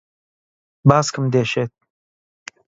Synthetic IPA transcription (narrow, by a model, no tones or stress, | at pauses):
baːskəmd̪eːʃeːt̪̚